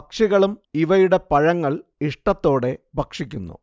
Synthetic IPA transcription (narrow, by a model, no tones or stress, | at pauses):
ɐkʂiɣɐɭumiʋɐjuɽe̞pɐɻɐŋːɐɭiʂʈɐt̪ːo̞ːɽe̞bʱɐkʂikʲːunːṵ